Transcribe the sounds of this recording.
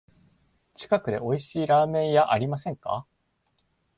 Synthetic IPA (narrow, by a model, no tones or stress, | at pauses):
t͡ɕi̥kakɯ̟d̪e̞o̞iɕiːɾaːmẽ̞ɰ̃jaʔaɾʲimasẽ̞ŋka̰